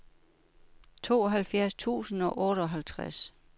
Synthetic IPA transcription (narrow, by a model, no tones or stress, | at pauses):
t͡sʰo̝̰ːɒ̽ɦælfjæɐst͡sʰṵːsn̩ɒ̽ʔɔːɾəɒɦælt͡sʰʁas